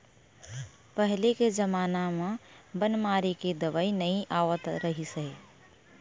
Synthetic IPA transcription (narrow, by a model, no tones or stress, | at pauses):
pəɦɪlekezəmaːnamãbənmaːɾiked̪əʋaːinɐĩʔaːʋət̪ɾɐɦiseeː